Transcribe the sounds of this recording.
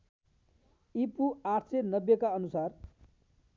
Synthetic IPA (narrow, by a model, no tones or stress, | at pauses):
ipuaʈʰsenʌbjekaʌnusar